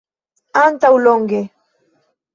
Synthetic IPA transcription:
ant̪aʊloŋɡɪ

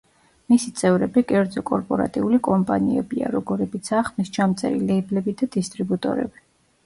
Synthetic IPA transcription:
misit̪sʼɛvɾɛbikʼɛɾd̪zɔkʼɔɾpʼɔɾa̰t̪ʼiulikʼɔmpʼaniɛbia̰ɾɔɡɔɾɛbit̪sʰaːχmist͡ʃʰamt̪sʼɛ̰ɾḭlɛiblɛbid̪ad̪ist̪ʼɾibut̪ʼɔ̰ɾɛ̰bi

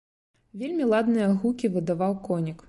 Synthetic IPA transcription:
vʲelʲmʲilˠad̪nɨjɐɣukʲivɨd̪avawkɔnʲik

